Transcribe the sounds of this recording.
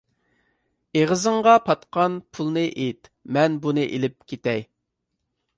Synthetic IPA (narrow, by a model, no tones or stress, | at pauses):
eʁəzɨɴʁɑpʰɑt̪qɑnpʰulˠnɨʔet̪mɛnbunɨʔḛlɪp̚kʲʰet̪ɛj